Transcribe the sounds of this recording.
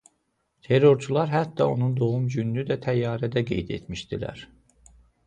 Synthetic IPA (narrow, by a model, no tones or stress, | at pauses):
t̪ʰe̞ɾo̞ɾt͡ʃʰulˠɑɾɦæt̪ːɑo̞nund̪o̞ɣumd͡ʒynlyd̪æt̪ʰæjːɑːɾæd̪æɡe̞̰jd̪e̞̰t̪miʃd̪ilæ̰ɾ